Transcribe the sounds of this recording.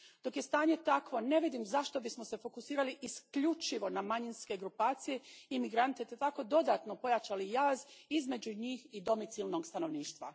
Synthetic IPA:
d̪̥o̞kje̞st̪aːɲe̞t̪akʋo̞ne̞ʋid̪imzaʃt̪o̞bismo̞se̞fo̞kusiːɾaliʔiskʎut͡ʃiʋo̞namaɲinske̞ɡɾupaːt̪sije̞imiɡɾant̪et̪et̪ako̞d̪o̞d̪aːt̪no̞po̞jat͡ʃalijaːzizme̞d͡ʑuɲiːxid̪o̞mit̪silˠno̞ɡst̪ano̞ʋniːʃt̪ʋa̰

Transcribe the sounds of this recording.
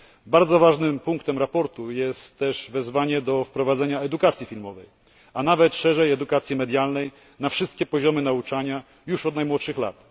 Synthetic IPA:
baɾd̪zɔvaʐnɘmpuŋkt̪ɛmɾapɔɾt̪ujɛst̪ːɛʐvɛzvaɲɛd̪ɔfpɾɔvad̪zɛɲaɛd̪ukat̪sʲjifʲilmɔvɛj | anavɛt̪ʂɛʐɛjɛd̪ukat̪sʲjɛmɛd̪ʲjalnɛj | nafʂɘst̪̚kʲɛpɔʑɔmɘnaut͡ʂaɲa | juʂɔd̪najmwɔt̪ʂɘxla̰t̪

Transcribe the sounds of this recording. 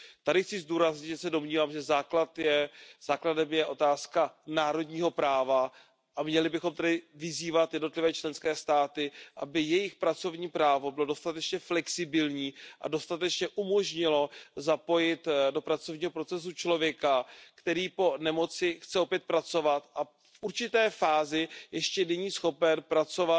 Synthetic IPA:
t̪adɪxt͡sɪzduːɾazɲɪʒɛsɛdo̞mɲiːvaːmʒɛzaːklat̪jɛz̥aːkladɛmjɛʔo̞t̪aːskanaːɾo̞dɲiːɦo̞pɾaːva | ʔamɲɛlɪbɪxo̞mt̪ɛdɪvɪziːvat̪jɛdno̞t̪lɪvɛːt͡ʃlɛnskɛːst̪aːt̪ɪʔabɪjɛjɪxpɾat͡so̞vɲiːpɾaːvo̞bɪlo̞do̞st̪at̪ɛt͡ʃɲɛflɛksɪbɪlɲiːʔa̰do̞st̪at̪ɛt͡ʃɲɛʔumo̞ʒɲɪlo̞zapo̞jɪt̪do̞pɾat͡so̞vɲiːɦo̞pɾo̞t͡sɛs̬ut͡ʃlo̞vjɛkakt̪ɛɾiːpo̞nɛmo̞t͡sɪxt͡sɛo̞pjɛt̪̚pɾat͡so̞vat̪ʔa | fʔuɾt͡ʃɪt̪ɛːfaːzɪjɛʃcɛnɛɲiːsxo̞pɛnpɾat͡so̞va

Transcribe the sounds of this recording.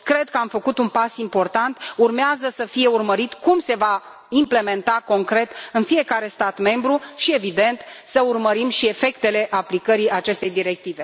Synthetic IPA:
kɾe̞d̪̚kəamfəkut̪unpasimpo̞rt̪ant̪urmeazəsəfije̞urməɾit̪kumse̞va | imple̞me̞nt̪ako̞ŋkɾe̞t̪ɨnfie̞kaɾe̞st̪at̪me̞mbɾuʃie̞vid̪e̞nt̪səurməɾimʃie̞fe̞kt̪e̞le̞ʔaplikəɾiat͡ʃe̞st̪e̞jd̪iɾe̞k̚t̪ive̞

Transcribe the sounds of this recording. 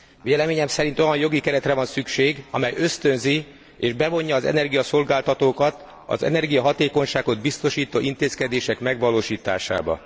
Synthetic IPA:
ʋveːlɛmeːɲɛmsɛɾint̪o̞jɒnjo̞ɡikɛɾɛt̪rɛvɒnsykʃeːɡɒ̰mɛjø̞st̪ø̞nzi | eːʒbɛvo̞ɲːɒːzɛ̰nɛrɡijɒso̞lɡaːlt̪ɒt̪oːkɒt̪ | ɒ̰zɛ̰nɛrɡijɒɦɒt̪eːko̞ɲʃaːɡo̞d̪bist̪o̞ʃiːt̪oːʔint̪eːskɛd̪eːʃɛkmɛɡʋɒloːʃiːt̪a̰ːʃa̰ːbɒ̰

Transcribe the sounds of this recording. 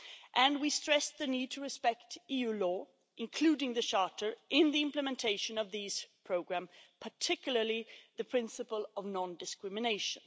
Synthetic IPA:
ʔɨ̃nwistɹ̥ɛsðɨnid̚tʰɨɹɨspɛk̚tijʉlɔ | ʔɨ̃nkʰl̥ʉɾɪ̃ŋðɨʃɑɹɾə˞ʔɪ̃nðiɪ̃mpləmɛ̃ntʰeɪʃɨ̃nʌvðiz̥pʰɹ̥oʊɡɹæ̃mpʰə˞tʰɪkjl̩ˠə˞liðɨpʰɹ̥ɪ̃nsɨpəl̩ˠʌvnɑ̃ndɨskɹɪmɨneɪʃɨ̃n

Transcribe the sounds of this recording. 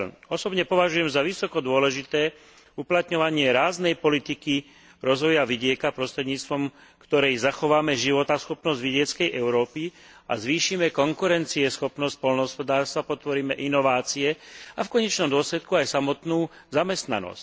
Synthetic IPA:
ɔsɔbɲɛpɔʋaʒujɛmzaʋisɔkɔd̪ʊɔlɛʒit̪ɛː | uplat̪ɲɔʋaɲɪɛɾaːznɛjpɔlit̪iki | ɾɔzʋɔjaʋiɟɪɛkapɾɔst̪ɾɛd̪ɲiːt͡st̪ʋɔmkt̪ɔɾɛjzaxɔʋaːmɛʒiʋɔt̪asxɔpnɔzɟʋiɟɪɛt͡skɛjʔɛʊɾɔːpi | a̰zʋiːʃimɛkɔŋkuɾɛnt͡siɛsxɔpnɔsc̚pɔlnɔɦɔspɔd̪aːɾst̪ʋapɔt̪ʋɔɾiːmɛʔinɔʋaːt͡siɛafkɔɲɛt͡ʃnɔmd̪ʊɔslɛt̪kuajsamɔt̪nuːzamɛst̪na̰nɔ̰sc

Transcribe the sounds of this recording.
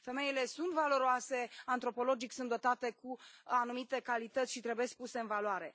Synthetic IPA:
fe̞me̞ile̞sunt̪valo̞ɾoase̞ant̪ɾo̞po̞lo̞d͡ʒiksunt̪d̪o̞t̪at̪e̞kuanumit̪e̞kalit̪ət̪sʲʃit̪ɾebe̞sk̚puse̞ɨnvaloaɾe̞

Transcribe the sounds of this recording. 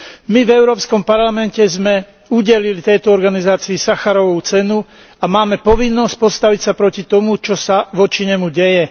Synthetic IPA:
mivɛʊɾɔːpskɔmpaɾlamɛncɛzmɛ | uɟɛlilit̪ɛjt̪ɔɔɾɡanizaːt͡siːsaxaɾɔʋut͡sɛnu | amaːmɛpɔʋinːɔsc̚pɔst̪aʋicsapɾɔcit̪ɔmut͡ʃɔsaʋɔt͡ʃiɲɛmuɟɛjɛ

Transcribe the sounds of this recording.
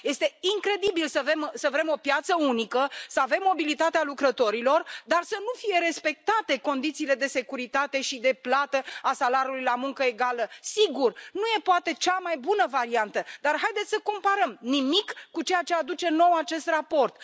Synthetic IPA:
je̞st̪e̞iŋkɾe̞d̪ibilsəve̞msəvɾe̞mo̞pjat̪səunikəsəave̞mːo̞bilit̪at̪ealukɾət̪o̞ɾilo̞rd̪arsənufije̞ɾe̞spe̞k̚t̪at̪e̞ko̞nd̪it̪siːle̞d̪e̞se̞kuɾit̪at̪e̞ʃid̪e̞plat̪əasalaɾjulujlamuŋkəe̞ɡaləsiɡurnuje̞poat̪e̞t͡ʃamajbunəvaɾiant̪əd̪arɦajd̪et̪sʲsəko̞mpaɾəmnimikːut͡ʃe̞jat͡ʃead̪ut͡ʃe̞no̞wat͡ʃe̞st̪rapo̞rt̪

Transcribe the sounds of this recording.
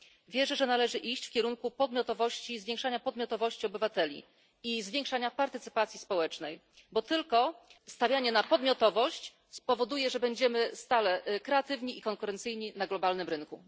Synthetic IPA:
vʲjɛʐɛʐɛnalɛʐɘʔiɕt͡ɕfkʲɛɾuŋkupɔd̪mʲjɔt̪ɔvɔɕt͡ɕizvʲjẽŋkʂaɲapɔd̪mʲjɔt̪ɔvɔɕt͡ɕiɔbɘvat̪ɛlʲḭ | izvʲjeŋkʂaɲapaɾt̪ɘt̪sɘ̥pat̪sʲjispɔwɛt͡ʂnɛj | bɔt̪ɘlkɔst̪avʲjaɲɛnapɔd̪mʲjɔt̪ɔvɔɕt͡ɕ | spɔvɔd̪ujɛʐɛbɛɲd͡ʑɛmɘst̪alɛkɾɛat̪ɘvɲiikɔŋkuɾɛnt̪sɘjɲinaɡlɔbalnɘmɾɘnkṵ

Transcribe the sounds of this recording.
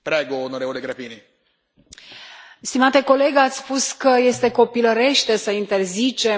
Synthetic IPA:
pɾɛːɡoːnoɾevoleɡɾapiːni | st̪imat̪eko̞le̞ɡat̪sʲspuskəje̞st̪e̞ko̞piləɾe̞ʃt̪e̞səint̪e̞rzit͡ʃe̞

